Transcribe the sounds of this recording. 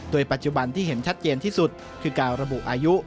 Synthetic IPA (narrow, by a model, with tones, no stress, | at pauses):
doː˧jpa˨˩t̪̚t͡ɕu˨˩ba˧nt̪ʰiː˥˩ɦe˩˦nt͡ɕʰa˦˥t̪̚t͡ɕeː˧nt̪ʰiː˥˩su˨˩t̪̚ | kʰɯː˧kaː˧wɾa˧bu˨˩ʔaː˧ju˦˥ʔ